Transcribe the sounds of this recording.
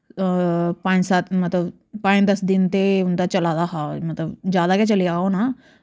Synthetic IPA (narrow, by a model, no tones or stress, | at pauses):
pãːɲd͡ʒsaːt̪mɐt̪ləb | pãːɲd̪ɐsd̪ɪnt̪eʊnd̪at͡ʃɐlaːd̪aɦaːmɐt̪ləbd͡ʒjaːd̪aket͡ʃɐliaːona